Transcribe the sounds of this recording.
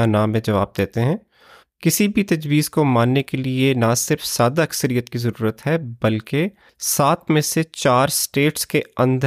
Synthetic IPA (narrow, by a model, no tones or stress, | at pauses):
anaːmẽd͡ʒɐʋa̰ːb̚d̪eːt̪eɦɛ̃ː | kɪsibʱit̪ɐd͡ʒwiːzkomaːnːekelienasɪɾfz̥aːd̪aɐksəɾijət̪kizɐɾuːɾət̪ɦɛbɐlke | saːt̪ʰmẽset͡ʃaːɾsʈeːʈskeɐ̃nd̪ʱə